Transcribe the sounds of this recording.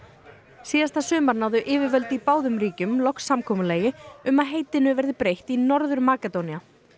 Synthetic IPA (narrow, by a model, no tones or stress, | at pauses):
siːðast̪asʏːmaɾnaːwðʏʔɪːvɪɾvœlt̪ipaːwðʏmɾiːcʏmlɔksːamkʰɔːmʏleːjɪʏmaðɦeːjt̪ɪnʏvɛɾðɪpɾejht̪inɔɾðʏɾmaːkɛt̪ownia